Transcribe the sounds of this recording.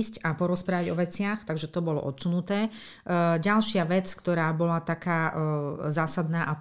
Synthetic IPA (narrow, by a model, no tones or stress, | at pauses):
scapɔɾɔspɾaːʋaɟɔ̰ʋɛt͡sɪaxt̪aɡʒɛt̪ɔbɔlɔ̰ʔɔt̪sunut̪ɛː | ɟalʃɪaʋɛt͡skt̪ɔɾaːbɔlat̪akaːzaːsad̪naːʔa